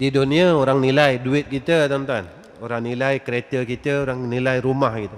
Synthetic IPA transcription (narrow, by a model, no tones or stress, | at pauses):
didoniəoɾaŋnilajduɪt̪̚kit̪ət̪ont̪an | oɾaŋnilajkəɾet̪əkit̪əoɾaŋnilajɾumahkit̪ə